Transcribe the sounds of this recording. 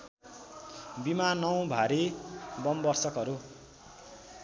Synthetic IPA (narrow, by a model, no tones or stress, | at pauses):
bimanʌw̃bʱaɾibʌmbʌrsʌkɦʌɾu